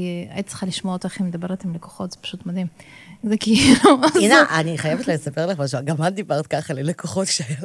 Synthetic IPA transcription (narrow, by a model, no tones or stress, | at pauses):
a̰ʔitt͡sə̥χaliʃmoaot̪aχimed̪abe̞et̪imleko̥χot̪z̥epḁʃut̪mad̪imzekiiluineʔaniχajevet̪lalesapeʁleχaʃaɡamand̪ibaʁt̪kaχalelekoχotʃeajal